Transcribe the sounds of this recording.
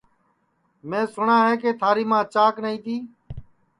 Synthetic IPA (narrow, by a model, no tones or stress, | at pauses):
mẽːsʊɳãːɦeːkeːt̪ʰaːɾiːmãːt͡ʃaːknəĩːt̪iː